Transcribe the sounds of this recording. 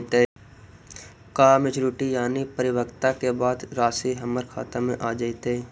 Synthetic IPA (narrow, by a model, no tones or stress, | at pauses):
t̪e | kaːmɪt͡ʃɾuːʈijaːnipəɾɪwəkt̪akebaːd̪ɾaːsiɦəməɾkʰa̰ːt̪amẽʔaːd͡ʒaːit̪eː